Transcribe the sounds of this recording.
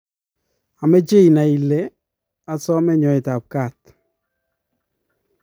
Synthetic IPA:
a˨mɛ˦d͡ʒe˦i˨na˨i˨le˦ | a˨sɔ˦mɛ˦ɲɔ˨ɪ˨ta˨p̚ka˦˨t

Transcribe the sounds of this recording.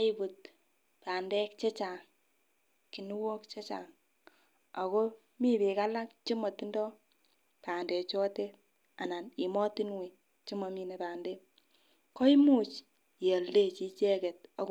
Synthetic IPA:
i˦bu˨t | paː˨ndɛ˦kt͡ʃe˦t͡ʃaː˨ŋ | ki˨nu˦wo˦kt͡ʃe˦t͡ʃa̰ː˨ŋ | a˨ko˦ | mi˦pi˨ka˦la˦k̚t͡ʃi˦mɔ˨ti˦ndɔ˦ | paː˨ndɛ˨t͡ʃɔ˦te˦ | a˨na˨ni˨mɔ˦ti˦nwi˨ | t͡ʃi˦mɔ˨mi˦ne˨paː˨ndɛ˦ | kɔ˦i˦mu˦˨t͡ʃ | je˨lːe˦t͡ʃi˦t͡ʃɛ˦kɛ˨t̚a˨˦k

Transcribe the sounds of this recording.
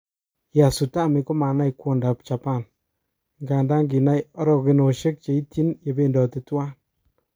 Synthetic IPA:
ja˨su˨ta˦˨mi˨ko˦ma˨na˦jkwɔ˦nda˨p̚t͡ʃa˨pa˦˨n | ŋɡa˨nda˦ŋɡi˨na˦jɔ˦ɾɔ˦˨kɪ˧no˨ʃe˦k̚t͡ʃe˨i˦ti˦nje˨be˦ndɔ˨tɪ˨twa˦n

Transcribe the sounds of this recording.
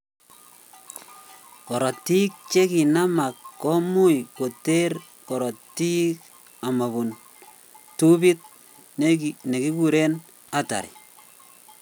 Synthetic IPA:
kɔ˨ɾɔ˨tːi˦k̚t͡ʃe˦ki˨na˦ma˨kːɔ˦mu˦jko˨te˦r | kɔ˨ɾɔ˨ti˦k | a˨ma˨bu˨n | tu˦bi˦t̚ | ne˨ki˦ku˦ɾe˦n | a˨ta̰˨ɾḭ˨

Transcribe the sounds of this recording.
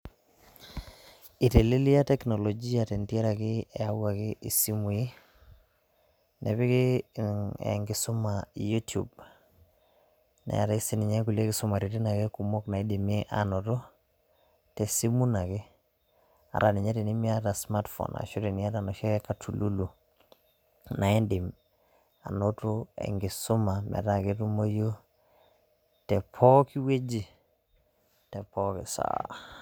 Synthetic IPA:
i˨te˨li˦li˦a˦tɛ˦knɔ˨lɔ˨d͡ʒi˦a˨tɛ˨ntiɛ˦ɾa˨kɪ˦ɛ˨a˦wa˨kɪ˦ʔi˨si˦mu˨i˦ | nɛ˨pɪ˦kɪ˦ | ɛ̰ŋɡɪ˨sʊ˦maju˦tṵ˨b | nɛ̰˨a̰˨ta˦i˦si˦ni˨ɲa˦ku˨le˦kɪ˨sʊ˦ma˨ɾi˨ti˦na˨ke˦ku˨mo˦kna˨i˦de˨mi˦ʔa̰nɔ˨tɔ˦ | tɛ˨si˦mu˦na˨ke˦ | a̰˨ɾa˨ni˨ɲa˦ti˨ni˦mi˦a˦ta˨smatfɔ̰˨na̰˨ʃo˦ɾi˨ni˦a˦ta˨nɔ˨ʃa˦kɛ˦ka˨tʰu˨lu˦lu˨ | na˨e˦ndɪ˨m | a̰˨no˦to˦ɛ̰˨ŋɡɪ˨sʊ˦ma˨mɛ̰˨ta˨ke˦tu˦mo˦jo˦ | tɛ˨pʰɔ˦ki˦we˦d͡ʒi˦ | tɛ˨pɔ˦kɪ̰˨sa̰

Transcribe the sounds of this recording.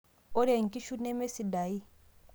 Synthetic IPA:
ɔ˦ɾe˨ŋ̩˨ki˦ʃu˦nɛ˦me˦si˨da˨i˦

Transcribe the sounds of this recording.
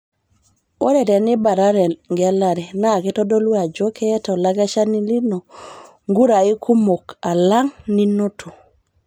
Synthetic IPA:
o˦ɾɛ˨tɛ˨nɪ˦ba˨ɾa˦ɾɛ˨ŋɡla˨ɾɛ˨na˦˨kɛ˦tɔ˦do˦lwa˨d͡ʒo˦kɛː˦tɔ˨la˦ɡa˦ʃa˦ni˦li˦nɔ˨ | ŋɡu˦ɾa˨i˦kʰu˦mo˨ka˨la˦ŋni˦no˦tʰu˨

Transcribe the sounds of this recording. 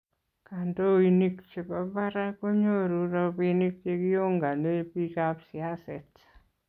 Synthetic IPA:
kando˦ini˦kt͡ʃe˨baba˦ɾa˦ko˦ɲo˦ɾu˦ɾɔ˦pini˦k̚t͡ʃe˦ki˦jo˦ŋɡa˨ne˦pi˦kapsɪasɛt

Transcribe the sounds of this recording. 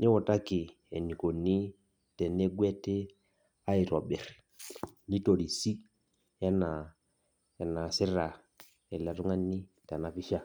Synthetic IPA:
ɲɛ˦wɔ˨ta˦ki˨ | e˨ni˨ko˨nːi˦ | tɛ˨ne˦ɡwɛ˦te˦ | a˦i˨ɾɔ˨ɓɛ˨ɾ | ni˦to˨ɾi˨si˦ | ja˦na˨ | ja˨na˨si˦ɾa˨ | ɛ˨la˨tu˦ŋa˦nːi˦ | ta˨na˨fi˦ʃa˦

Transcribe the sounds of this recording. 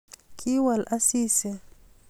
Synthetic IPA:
kʰi˦wa˨lʔa˦si˦sɛ˨

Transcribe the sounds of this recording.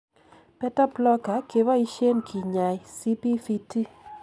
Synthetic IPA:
pɛ˦ta˦plɔ˦ka˨˦ke˨wa˦i˦ʃe˦nkʰi˨ɲa˨jsi˦pi˦fi˦ti˦

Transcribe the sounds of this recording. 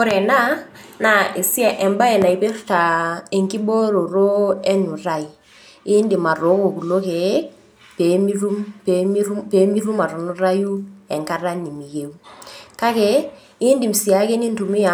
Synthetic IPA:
o˦ɾɛ˨na˦ | na˨e˨si˦a˨ʔɛ˨mba˦ɛ˨na˨i˨pe˦rta˨e˨ŋki˦bo˦ɾo˨ɾo˦ɛ˦nu˨ɾa˦˨i˨ | ɪ˦ndi˨ma˨ɾo˨˦ko˨ku˨lo˦ke˨ | pe˨˦mi˦ɾu˦mpem˦u˦pe˨˦mi˦ɾu˦ma˨ɾo˨nu˦ɾa˦ju˦ɛ˨ŋka˦ɾa˦ni˨mi˨ke˨u˦ka˦kɛ˦ | i˦ndi˨m̩˨si˨a˨˦ke˦ni˦ntu˨mɪ˦a˨

